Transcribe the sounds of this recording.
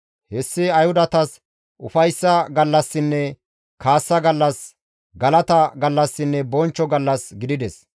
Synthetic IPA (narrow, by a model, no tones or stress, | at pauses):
hɛsːɪɐjhʊd̪ɐt̪ɐs | ʔʊ̰fɐjsːɐɡɐlːɐsːɪnːɛ | kʰaːsːɐɡɐlːɐs | ɡɐlɐt̪ɐɡɐlːɐsːɪnːɛbɔnt͡ʃːɔɡɐlːɐsɡɪd̪ɪd̪ɛs